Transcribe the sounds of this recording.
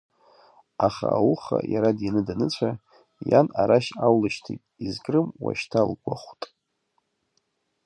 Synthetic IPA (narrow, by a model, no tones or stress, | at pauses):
aχawuχajaɾadjanɨdanɨt͡ɕʷʰa | janaɾaʃawlɨʃtʰitʼizkʼrɨmwa̰ʃtʰalɡʷaχʷtʼ